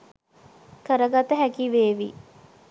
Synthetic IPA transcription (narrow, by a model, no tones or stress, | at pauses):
kəɾəɡat̪əɦækiʋeːʋḭ